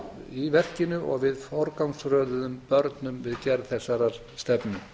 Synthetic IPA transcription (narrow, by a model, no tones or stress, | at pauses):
ivɛr̥cɪnʏʔɔ̰ɣvɪðfɔɾkawŋsɾœːðʏðʏmpœɾt̪nʏmvɪðcɛɾðθɛsːaɾaɾ̥ | st̪ɛpnɪ